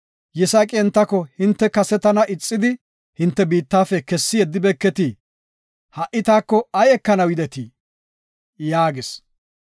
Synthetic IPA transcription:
jɛsakʼɪɛnt̪ːɐkːɔhɪnt̪ːɛkɐsɛt̪ɐnɐʔɪt͡sʼːɪd̪ɪ | hɪnt̪ːɛbiːt̪ːaːfɛkɛsːɪjɛd̪ːɪbɛkːɛt̪i | hɐʔɪt̪aːkːɔɐjɛkːɐnɐwɪd̪ɛt̪iː | jaːɡɪs

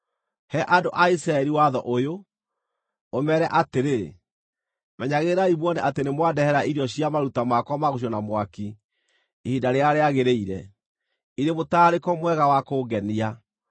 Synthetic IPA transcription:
hɛʔadoʔaisɾaɛɾiwaðɔʔojo | mɛɾɛʔateɾe | mɛɲaɣeɾaimwɔneʔatenemwadɛhɛɾaiɾiɔɕiamaɾutamakwamaɣoɕ̬iɔnamwaki | ihidaɾeaɾeaɣeɾeiɾɛ̰ | iɾemotaːɾekɔmwɛɣawakoːɡɛnia

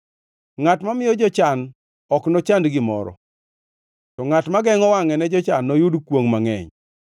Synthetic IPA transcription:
ŋatmamɪjɔd͡ʒɔt͡ʃan | ɔknɔt͡ʃandɡɪmɔ̰ɾɔ̰ | tɔŋatmaɡɛŋɔwaŋɛnɛd͡ʒɔt͡ʃanːɔjudkwoŋmaŋɛ̰ɲ

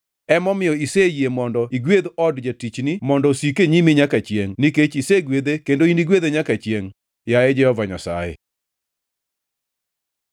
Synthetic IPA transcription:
ɛmɔmɪjɔisejjemɔndɔiɡwed̪ɔdd͡ʒatit͡ʃnimɔndɔsikeɲimiɲakat͡ʃjeŋniket͡ʃiseɡwed̪ekendoiniɡwed̪eɲakat͡ʃjeŋ | jaɛd͡ʒɛhɔvaɲa̰sa̰jɛ̰

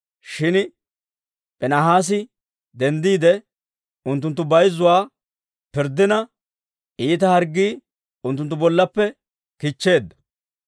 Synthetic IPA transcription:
ʃɪn | pʼɛnaɦaːs̬ɪ | d̪ɛnd̪iːd̪ɛ | ʊnt̪ːʊnt̪ːʊbɐjzːʊwaː | pɪɾd̪ːɪnɐ | ʔiːt̪ɐhɐɾɡːiː | ʊnt̪̬ːʊnt̪ːʊbɔlːɐpːɛ | kit͡ʃːe̞ːd̪ːɐ̥

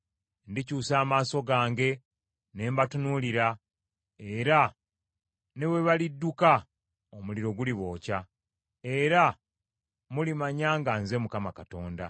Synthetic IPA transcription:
ndicuːsaːmaːso̞ɡaːŋɡe̞ | ne̞ːmbatunuliɾa | eɾa | ne̞we̞βalidːuka | omuliɾo̞ɡuliβo̞ːca | e̞ɾa | mulimaɲaːŋɡanze̞mukamakato̞ːnda̰

